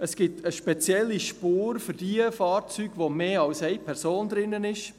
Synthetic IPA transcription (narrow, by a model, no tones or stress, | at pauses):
əsɡ̥ɪtʰəʃpɛt͡sjɛlːiʃpuːɾfʏɾd̥iəfɑːɾt͡syːɡ̥ʋomeːɑlsɛjpʰɛɾsoːnd̪ɾɪnːənɪʃ